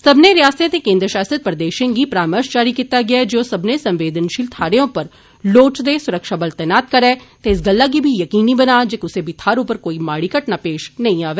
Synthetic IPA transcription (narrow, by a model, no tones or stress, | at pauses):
səbneːɾɪjaːst̪ẽːt̪eːkẽːnd̪ɾəʃaːsət̪̚pɾəd̪eːʃẽɡiːpɾaːməʃd͡ʒaːɾiːkiːt̪aːɡɪaɛd͡ʒoːsəbneːsə̃mʋeːd̪ənʃiːlt̪ʰaːɾeõpəɾ | loːt͡ʃd̪eːsʊɾəkʃaːbəlt̪ɛːnaːt̪kəɾɛːt̪eɪs̬ɡəlːaːɡiːbʱiːjəkiːniːbənaːd͡ʒeːkʊseːbʱiːt̪ʰaːɾʊpəɾkoːiːmaːɽiːkəʈnaːpeːʃnəĩːaːʋeː